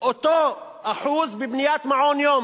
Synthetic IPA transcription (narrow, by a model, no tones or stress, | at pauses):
ʔʊt̪oːʔaħuːzbɪbnɪjaːt̪maʕoːnjoːm